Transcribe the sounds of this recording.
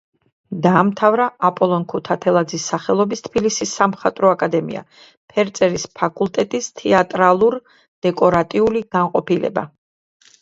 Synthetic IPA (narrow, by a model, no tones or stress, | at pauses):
d̪aːmt̪ʰavɾaʔapʼɔlˠɔnkʰut̪ʰat̪ʰɛlˠad̪zisːaχɛlˠɔbist̪ʰbilisisːamχat̪ʼɾɔakʼad̪ɛmḭa̰ | pʰɛɾt̪sʼɛɾispʰakʼulˠt̪ʼɛt̪ʼist̪ʰɛat̪ʼɾalˠuɾ | d̪̥ɛkʼɔɾat̪ʼiuliɡ̥anqʼɔpilɛ̰ba̰